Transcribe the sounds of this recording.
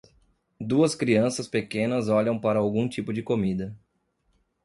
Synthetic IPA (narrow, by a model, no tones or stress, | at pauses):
d̪uɐskɾiɐ̃sɐspekẽnɐzɔʎɐ̃w̃paɾɐawɡũt͡ʃipʊd͡ʒɪkomid̪ɐ